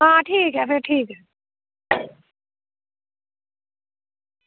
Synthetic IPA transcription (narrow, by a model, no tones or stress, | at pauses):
ɦãːʈʰiːkɦɛfeɾʈʰiːkɦɛ